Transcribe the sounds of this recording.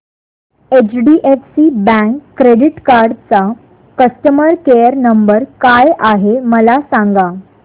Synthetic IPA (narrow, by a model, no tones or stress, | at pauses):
et͡ɕɖiʔefsibæ̃ŋkːɾeɽiʈkaɾɖt͡sa | kəsʈəməɾkejəɾnəmbəɾkajaɦeməlasaŋɡa